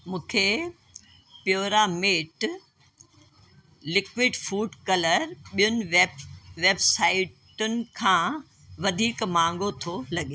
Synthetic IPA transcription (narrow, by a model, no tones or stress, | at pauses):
mũːkʰe | pjoːɾameːʈ | lɪkʋɪɖfuːɖkɐləɾɓijʊnɪ̆ʋʋeːbsaːɪʈʊnɪ̆kʰãː | ʋɐd̪ʱiːkmãːŋɡʱot̪ʰolɐɠeː